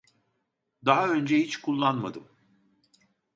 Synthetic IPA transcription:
d̪aɦaø̞nd͡ʒɛhit͡ʃkʰulˠːanma̰d̪ɯm

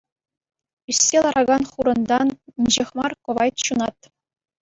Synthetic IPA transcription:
ysʲːelˠɑɾʔɑɡɑnχuɾɤ̆nd̪ɑninʲʑĕxmɑrkɤ̆ʋɑjt̪ɕunɑt̪

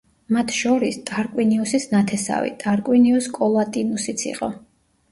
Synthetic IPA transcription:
mat̪ʰʃɔɾist̪ʼaɾkʼwiniusisnat̪ʰɛsa̰vḭt̪ʼaɾkʼwiniuskʼɔlˠat̪ʼinusit̪sʰḭqʼɔ̰

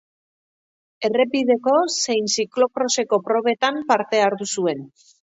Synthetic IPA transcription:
e̞re̞piðe̞ko̞se̞jnsiklo̞kɾo̞se̞ko̞pɾo̞β̞e̞t̪ampaɾt̪e̞aɾðusue̞n

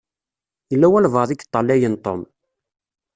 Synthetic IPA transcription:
jəlːæwælvəðˤikːt̪ˤːɑlæjənt̪ˤom

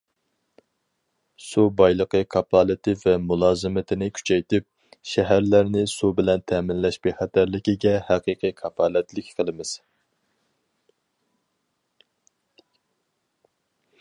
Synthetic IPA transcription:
subɑjlˠəqəkʰɑpʰɑːlˠɨt̪ʰɪvɛmulˠɑːzɨmɪt̪ʰɪnɪkʲʰy̥t͡ʃʰɛjt̪ɪp̚ | ʃɛɦæɾlæɾnɪsubɪlɛnt̪ʰɛmɪnlɛʃbeχæt̪ʰæɾlɪkʲiɡʲɛhæqiːqʰɨjkʰɑpʰɑːlɛt̪lɪkʲʰqʰəlˠɨmɪz̥

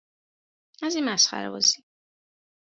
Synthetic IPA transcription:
azimasχa̰ɾɛɔzi

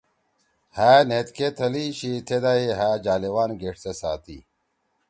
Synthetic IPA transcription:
hæːnet̪ket̪ʰɐliɕit̪ʰed̪aiɦaːd͡ʑaːlewaːnɡeʈsesaːt̪ḭ

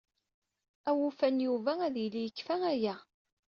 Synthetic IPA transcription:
æwufænjuvææðjlijəkːfææjæ

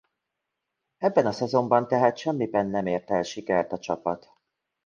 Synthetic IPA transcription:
ɛbːɛnɒsɛzo̞mbɒnt̪ɛɦaːt̪ʃɛmːibɛnːɛmeːrt̪ɛlʃikɛrt̪ɒt͡ʃɒpɒt̪

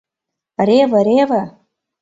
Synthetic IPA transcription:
ɾevaɾeva

